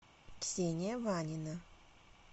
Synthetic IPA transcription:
ksʲenʲɪjəvanʲɪnə

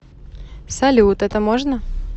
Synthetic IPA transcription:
fsɐlʲut̪ɛt̪əmoʐnə

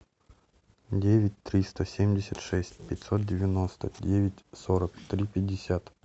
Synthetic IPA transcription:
dʲevʲɪtʲt̪ɾʲist̪əsʲemʲdʲɪsʲət̪ʂɛsʲtʲpʲɪtʲsot̪̚dʲɪvʲɪno̞st̪ədʲevʲɪtʲsoɾəkt̪ɾʲipʲɪdʲːɪsʲat̪

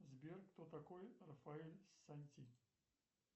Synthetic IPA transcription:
zʲbʲerkt̪ot̪ɐkojrɐfɐelʲsɐnʲt̪ʲi

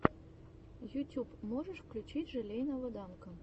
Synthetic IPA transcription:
jutʲupmoʐəʂfklʲut͡ɕitʲʐɨlʲejnɐvɨd̪ɑnkə̆

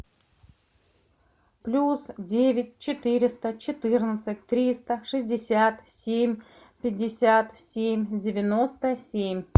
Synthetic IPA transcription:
plʲusdʲevʲɪt̚ʲt͡ɕɪt̪ɨɾʲɪst̪ət͡ɕɪt̪ɨrnət̪sɨt̚ʲt̪ɾʲist̪əʂɨzʲdʲɪsʲat̪sʲemʲ | pʲɪdʲːɪsʲat̪sʲemʲdʲɪvʲɪnost̪əsʲemʲ

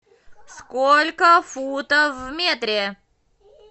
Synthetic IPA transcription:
skɔlʲkɐfut̪avmʲɛt̪ɾʲɛ

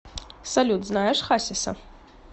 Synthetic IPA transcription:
sɐlʲut̪ʰznajɐʂχasʲɐsɐ̰

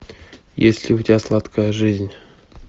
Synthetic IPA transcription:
jesʲlʲɪʊtʲɪbʲaslˠat̪kəjəʐɨzʲnʲ

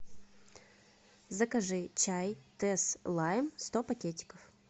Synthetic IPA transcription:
zəkɐʐɨt͡ɕajt̪ɛslˠajmst̪opɐkʲetʲɪ̥kəf

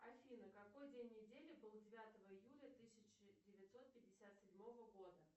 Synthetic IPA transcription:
ɐfʲinəkɐko̞jdʲenʲːɪdʲelʲɪbɨlˠdʲɪvʲat̪əvəɪjulʲət̪ɨsʲɪt͡ɕɪdʲɪvʲɪt̪ʲso̞t̪̚pʲɪd̚ʲɪsʲat̪sʲɪdʲmo̞vəɡo̞d̪ə

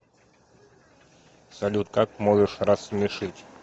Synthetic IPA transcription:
sɐlʲut̪̚kakmɔʐɛʂrasmʲɛʂɨtʲ

